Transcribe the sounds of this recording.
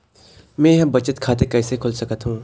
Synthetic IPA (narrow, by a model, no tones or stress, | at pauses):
mɛ̃ːɛ̃bɐt͡ʃət̪kʰaːt̪̬ekɛːsekʰʊlsɐkət̪ɦũː